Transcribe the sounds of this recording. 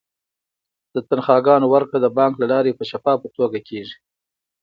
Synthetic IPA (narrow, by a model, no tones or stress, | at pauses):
d̪̥ət̪anxɑɡɑnowaɾkɽad̪əbɑŋklalɑɾepəʃafɑpət̪oɡakʰeʐi